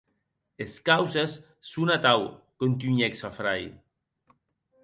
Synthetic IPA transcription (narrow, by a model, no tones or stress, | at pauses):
eskawsesː | unat̪awkont̪yɲeksafɾaj